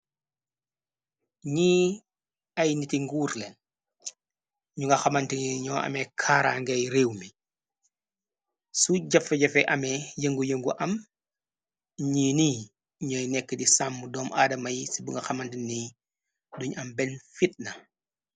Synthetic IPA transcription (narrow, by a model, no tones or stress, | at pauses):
ɲiː | ɐjnitiŋɡuːɾlɛn | ɲuŋɡɐxɐmɐntiniɲɔːʔɐ̰mɛkʰaːɾaŋɡɐjɾeːwmi | suɟɐfɐɟɐfɛʔɐmɛjəŋɡujəŋɡuʔɐm | ɲiːniː | ɲɔjnɛkːədisamːudɔːmʔaːdɐmɐjsibuŋɡɐxɐmɐntinːi | duɲɐmbɛnfit̚nɐ